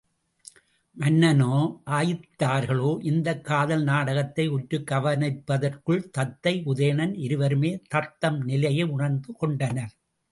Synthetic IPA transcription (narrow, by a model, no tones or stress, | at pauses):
mɐnːɐnoːʔaːjɪt̪ːaːɾɣɐɭoːʔɪnd̪ɐkːaːðɐlnaːɽɐɣɐt̪ːɐɪʊʈɾɯkːɐʋɐnɐɪpːɐðɐrkɯɭt̪ɐt̪ːɐɪʔʊðɐjɐɳɐnɪɾɯʋɐɾɯmeːt̪ɐɾt̪ːɐmnɪlɐjɐɪʊɳɐɾnd̪ɯkɔɳɖɐnɐɾ